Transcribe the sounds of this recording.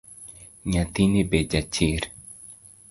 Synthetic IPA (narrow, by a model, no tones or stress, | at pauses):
ɲãt̪inibed͡ʒat͡ʃiɾ